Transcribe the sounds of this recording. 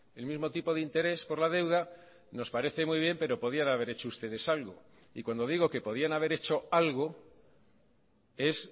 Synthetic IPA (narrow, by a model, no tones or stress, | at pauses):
e̞lmizmo̞t̪ipo̞ðint̪e̞ɾe̞spo̞ɾlaðe̞wða | no̞spaɾe̞θe̞mwujβ̞je̞mpe̞ɾo̞po̞ð̞ianaβe̞ɾe̞t͡ʃoust̪e̞ð̞e̞salɣo̞ | ikwand̪o̞ðiɣ̞o̞ke̞po̞ð̞ianaβ̞e̞ɾe̞t͡ʃo̞alɣo̞ | e̞s